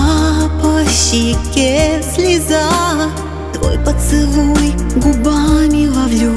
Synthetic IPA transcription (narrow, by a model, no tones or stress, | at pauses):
apɐɕikʲɛslʲizanɐ | t̪o̰jpɐsɨlujɡubamʲivɐvlʲu